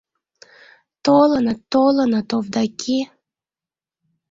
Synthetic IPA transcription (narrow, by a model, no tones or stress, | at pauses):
t̪olənət̪ːolənət̪ovd̪ɑkʲʰe